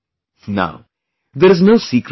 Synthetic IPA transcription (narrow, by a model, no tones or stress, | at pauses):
na̰ʊ | ðɛ˞znoʊsikɾ